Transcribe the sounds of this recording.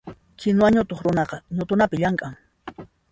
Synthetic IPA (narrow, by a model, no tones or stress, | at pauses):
kɪnwaɲʊt̪oχɾʊnɑqɑɲʊt̪ʊnapɪʎaŋkʼaŋ